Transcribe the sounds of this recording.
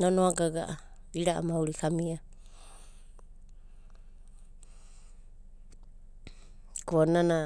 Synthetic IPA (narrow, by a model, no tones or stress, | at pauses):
nonoaɡaɡaʔa | iɾaʔa̰mauɾikamia | kuonana